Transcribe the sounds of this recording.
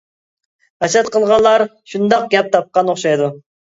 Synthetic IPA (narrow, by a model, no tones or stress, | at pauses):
ɛʃɛt̪qəlˠʁɑnlˠːɑɾ | ʃund̪ɑq̚ɡʲɛp̚t̪ʰɑp̚qɑnoχʃɑjd̪u